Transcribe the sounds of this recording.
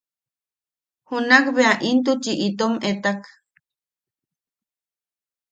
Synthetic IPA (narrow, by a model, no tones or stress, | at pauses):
hunakβeaʔint̪ut͡ʃiʔit̪omet̪ak